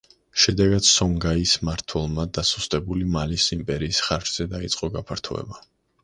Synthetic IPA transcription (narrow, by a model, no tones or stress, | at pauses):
ʃɛd̪ɛɡat̪sɔŋɡaismaɾt̪ʰwɛlˠmad̪asu̥st̪ʼɛbulimalisimpʼɛɾiːsχaɾt͡ʃʰʼz̥ɛd̪ait̪sʼqʼɔɡapʰaɾt̪ʰṵɛ̰ba